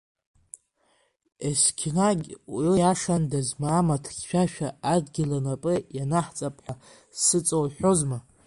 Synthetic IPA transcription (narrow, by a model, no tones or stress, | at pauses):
eskʲʰnaɡʲwjaʂandazmaːmatʰχʲʃᶣaʃᶣaadɡʲɪlanapʼɨjanaħt͡sʼapʼħʷa | sɨt͡sʼowħʷᶣozma